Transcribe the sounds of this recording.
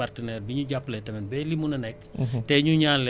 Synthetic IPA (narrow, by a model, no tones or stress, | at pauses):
artənɛrbiɲuɟapːlɛtɛmɛnbɛlimunɐnɛktɛɲuɲaːl